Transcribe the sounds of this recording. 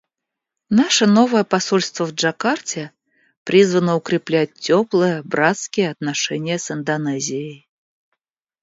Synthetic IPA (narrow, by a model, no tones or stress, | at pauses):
naʂənovəjəpɐsolʲst̪vəvʐakartʲɪ | pɾʲʔizvənəʊkɾʲɪplʲæt̚ʲːoplˠəjəbɾat̪skʲɪjəɐt̪naʂɛnʲɪjəsɨnd̪ɐnɛzʲɪjəj